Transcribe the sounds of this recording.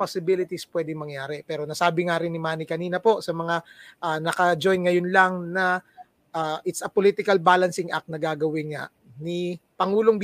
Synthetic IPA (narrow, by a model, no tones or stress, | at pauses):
posɪbilɪt̪ispwɛːd̪ɪŋmɐŋjaːɾɛpɛːɾo̞nɐsaːbɪŋaɾɪnːɪmaːnɪkɐniːnɐpo̞sɐmɐŋaʔaːnɐkɐd͡ʒo̞jnŋɐjonlɐŋnɐ | ʔaːʔɪt̪sɐpolit̪ɪkɐlbaːlɐnsɪŋʔɐ̰k̪̚nɐɡaːɡɐwɪnŋa̰ʔ | nipɐŋuːlo̞ŋb